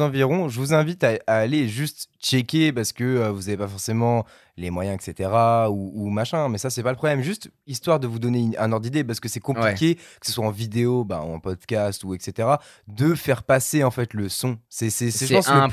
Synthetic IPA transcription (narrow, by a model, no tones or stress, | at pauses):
ɑ̃viʁɔ̃ʒəvuzɛ̃vit̪aaːleʒyst̪t͡ʃɛkʲepaʁsə̥kəøvuzavepafɔʁsemɑ̃ | lemwajɛ̃ɛkset̪eʁauumaʃɛ̃mɛsasɛpaləpχɔblɛmʒyst̪ | ist̪waʁd̪əvud̪ɔneynɛ̰̃nɔʁd̪id̪epaʁsə̥kəsɛkɔ̃plikʲekə̥səswaɑ̃vid̪eoba̰ɑ̰̃pɔd̪kʲast̪uɛkset̪eʁa | d̪əfɛʁpaseɑ̃fɛt̪ləsɔ̃sɛsɛsɛʒəpɑ̃s